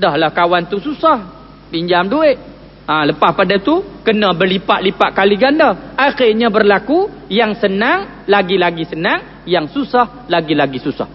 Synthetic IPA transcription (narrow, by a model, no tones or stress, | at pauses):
dahlahkawant̪ususah | biɲd͡ʒamduɪʔ | ãləpahpadat̪ukənabərlipaʔlipaʔkaliɡandaaxɪrɲabərlaku | jaŋsənaŋ | laɡilaɡisənaŋ | jaŋsusah | laɡilaɡisusa̰h